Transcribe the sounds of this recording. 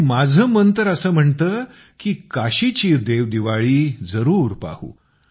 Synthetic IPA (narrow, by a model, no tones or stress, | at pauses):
mad͡zʱəːmənt̪əɾəsəːm̤əɳt̪əː | kiːkaɕit͡ɕiːd̪eʋd̪iʋaɭiːd͡zəɾuːɾpa̰hṵː